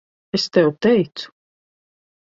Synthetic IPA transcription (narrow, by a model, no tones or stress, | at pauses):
est̪ɛwt̪ɛjt̪su̥